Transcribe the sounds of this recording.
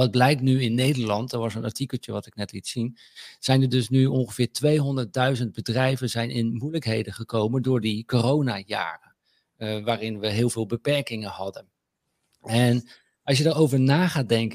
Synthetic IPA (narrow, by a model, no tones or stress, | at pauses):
ʋɑd̚blɛjk̚tnyɪnːejdəɹlɑntdɑtʋɑsənɑ̰ɹtikəl̩ˠtəʋɑtɪknɛtlitsin | z̥ɛjnəɹdɵsnyɔnχəv̥ɪːɹtʋejɦɔndəɹt̚dœɥzənd̚bədrɛjvənzɛjnʔɪnmujləkɦejdəχəkowməndʊːɹdikorownaːja̰ːrə | ʋaːrɪnʋəɦɪːlˠvɪːlˠbəpɛɹkɪŋənɦɑdən | ɛn | ʔɑlˠs̬jədəɹowvəɹnaːχaːt̚dɛŋkə